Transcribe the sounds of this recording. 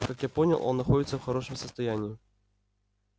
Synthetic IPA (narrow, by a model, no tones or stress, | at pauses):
kakjapɔnʲɐ̰lˠʔɔ̰nːaxɔd͡zʲit̪sːɐwxaɾɔʂɨmsɐst̪ajanʲːi